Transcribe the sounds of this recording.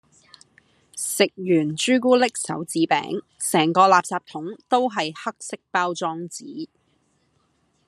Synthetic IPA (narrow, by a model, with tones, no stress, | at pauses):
sɪ˨k̚jyː˨˩nt͡ʃyː˥kuː˥lɪ˥k̚sɐ̰˨˥wt͡siː˨˥pɛ̰ː˨˥ŋ | sɛː˨˩ŋkɔː˧laː˨p̚saː˨p̚t̪ʰʊ˨˥ŋt̪o˥wɦɐ˨jhɐ˥k̚sɪ˥k̚paː˥wt͡sɔː˥ŋt͡siː˨˥